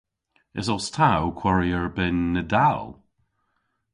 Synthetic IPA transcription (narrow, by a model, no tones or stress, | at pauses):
ɪ̰zɔstʰawkʰw̥aɹiəɹbɪnːədalˠ